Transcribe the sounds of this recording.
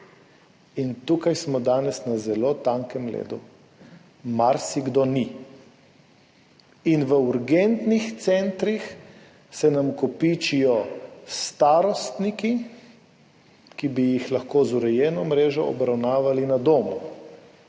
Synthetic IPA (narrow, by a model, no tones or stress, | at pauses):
int̪ukajsmɔd̪aːnɛsnazɛloːt̪aŋkɛmlḛːd̪u | maɾsiɡd̪oni | inʋəuɾɡent̪nixt̪sɛnt̪ɾix | sɛnamkɔpit͡ʃijɔst̪aːɾɔst̪niki | kibijixlaxkoːzuɾɛjɛːnɔmɾeːʒɔɔ̰bɾawnaːʋalinad̪oːmṵ